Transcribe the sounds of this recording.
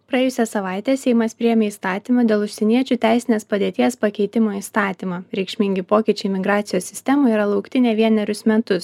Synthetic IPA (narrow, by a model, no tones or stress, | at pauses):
pɾɐeɛːjʊsʲɛsɐʋɑˑɪt̪ʲeːsʲɛɪmɐspʲɾʲɪjɛmʲeːiːst̪ɑːt̪ʲiːmɐd̪ʲeːlˠʊʃʲsʲɛnʲiɛt͡ʃʲuːt̪ʲæˑɪsʲɪnʲeːspɐd̪ʲeːt̪ʲiɛspɐkʲɛɪt̪ʲɪmoːiːst̪ɑːt̪ʲiːmɑɾʲɛɪkʃʲmʲɪŋʲɡʲɪpoːkʲiːt͡ʃʲɛɪmʲɪɡɾɑːt̪sʲɪjoːssʲɪsʲt̪ʲɛmʊiːɾɐlˠɐʊkt̪ʲɪnʲɛʋʲiɛnʲɛɾʲʊsmʲɛt̪ʊs